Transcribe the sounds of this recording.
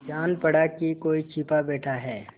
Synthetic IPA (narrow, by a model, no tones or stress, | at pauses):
d͡ʒaːnpɐɽakikoːit͡ʃʰiːpabɛːʈʰaɦɛː